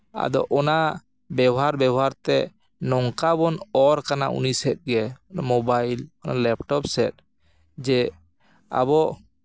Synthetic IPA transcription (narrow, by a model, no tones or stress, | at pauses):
a̰d̪ɔ̰ʔɔna | bɛwɦaɾbɛwɦaɾt̪ɛ | nɔŋkabɔnɔɾkanaʔṵnisɛt̪̚ˀɡɛɔnamɔbajlɔnalɛp̚ʈɔp̚sɛt̪̚ | d͡ʒɛ | a̰bɔʔ